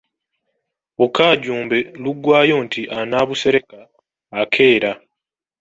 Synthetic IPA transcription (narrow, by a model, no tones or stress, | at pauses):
βukaːɟuːmbe̞luɡwaːjo̞ːntʰiʔanaːβuse̞ɾe̞kaː | kʰe̞ːɾa